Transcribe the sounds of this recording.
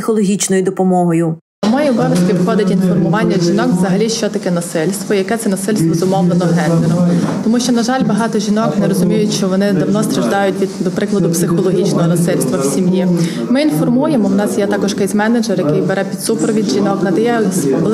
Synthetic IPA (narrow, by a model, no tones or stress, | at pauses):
xɔlˠɔɦʲit͡ʃnɔjʊd̪ɔpɔmɔɦɔjʊ | mɔjiɔbɔʋʲɐʃkʲiʋxɔd̪ɪtʲinfɔrmʊʋɑnʲːɐʒʲinɔkʋzɐɦɐlʲiʃt͡ʃɔt̪ɐkɛnɐsɪlʲst̪ʋɔjɐkɛt̪sɛnɐsɪlʲst̪ʋɔzʊmɔwnenɔɦɛnleɾɔmt̪ɔmuʃt͡ʃɔnɐʒɑlʲbɐɦɑt̪ɔʒʲinɔknɛɾɔzʊmʲijʊtʲʃt͡ʃt͡ʃɔʋɔnɪd̪ɐwnɔst̪ɾɐʒd̪ɑjʊt̚ʲʋʲid̪d̪ɔpɾɪklˠɐd̪ʊpsɪxɔlˠɔɦʲit͡ʃnɔɦɔnɐsɪlʲst̪ʋɐwsʲimji | mɪinfɔrmujemɔwnɑsjɛt̪ɑkɔʒkɪsʲmɛned͡ʒerjɐkɪjbeɾɛpʲid̪supeɾʋʲid̪ʒʲinɔkɐlɛjɛsɔ